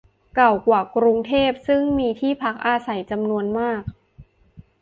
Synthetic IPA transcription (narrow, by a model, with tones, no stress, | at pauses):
ka˨˩wkwaː˨˩kɾu˧ŋt̪ʰeː˥˩p̚sɯ˥˩ŋmiː˧t̪ʰiː˥˩pʰa˦˥k̚ʔaː˧sa˩˦jt͡ɕa˧mnu˧ənmaː˥˩k̚